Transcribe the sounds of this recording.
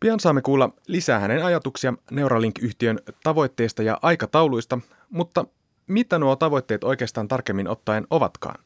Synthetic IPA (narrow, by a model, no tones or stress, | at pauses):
piɑnsɑːmːekuːlːɑlisæːhænenɑjɑt̪uksiɑne̞wɾʔɑliŋkyçt̪iø̞nt̪ɑʋo̞jt̪ːe̞jst̪ɑjɑ̰ʔɑjkɑt̪ɑwlujst̪ɑ | mut̪ːɑ | mit̪ænuot̪ɑʋo̞jt̪ːeːt̪o̞jk̟eːst̪ɑːnt̪ɑrkemːinʔo̞t̪ːɑeno̞ʋɑ̰t̪kɑ̰ːn